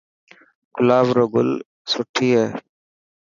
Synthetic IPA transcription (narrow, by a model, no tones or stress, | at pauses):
kʊlaːʋɾoɡʊl | sʊʈʰːiːɦeː